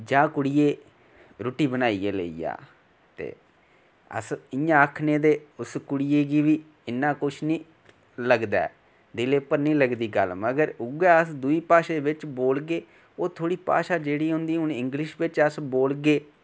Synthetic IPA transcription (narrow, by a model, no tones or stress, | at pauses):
d͡ʒãːkʊɽɪjeː | ɾoːʈiːbənaːiːeːlə̰ḭːa̰ː | t̪ḛː | ə̰sɪjãːəkʰneːd̪eːʊskʊɽɪjeːɡiːʋiː | ɪnːãːkʊt͡ʃʰnĩː | ləɡd̪a̰ː | d̪ɪleːpəɾnĩːləɡd̪iːɡəlməɡəɾʊɡɛːəsd̪uiːpaːʃeːʋɪt͡ʃboːlɡeː | oːt̪ʰoːɽiːpa̰ːʃaːd͡ʒeːɽiːɦʊ̃ːnd̪iːʊnɪŋɡlɪʃʋɪt͡ʃəsboːlɡeː